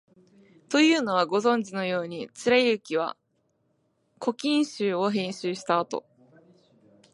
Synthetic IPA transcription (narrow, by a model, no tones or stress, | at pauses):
t̪o̞jɯ̟ːno̞βaɡo̞zõ̞ɲ̟d͡ʑino̞jo̞ːɲ̟it͡ɕɨɾaiɯ̟kʲiβ̞a̰ | kʰo̞kʲĩɰ̃ɕɨːo̞ɦẽ̞ɰ̃ɕɨːɕi̥t̪aːt̪o̞̰